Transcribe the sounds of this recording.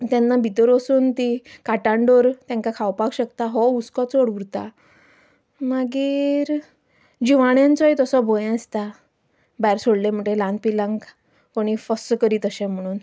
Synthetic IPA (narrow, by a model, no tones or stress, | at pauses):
t̪janːabʱit̪əɾɔsuːnt̪ikaʈaɳɖoɾt̪jãŋkakʰawpakɕəkt̪aɦɔuskɔt͡soɽʋuɾt̪a | maɡiːɾ | d͡ʑiʋaɳjãnt͡sɔjt̪əsɔbʱojɛ̃əst̪a | bajɾsoɽlem̤əʈelãnd̪̚pilãŋɡ | koɽ̃ifəskəɾiːt̪əɕɛ̃m̤əɽ̃uːn